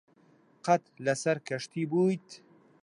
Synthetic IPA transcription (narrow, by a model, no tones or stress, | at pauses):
qɐt̪lɐsɐɾkʰɐʃt̪ʰiːbuːjt̪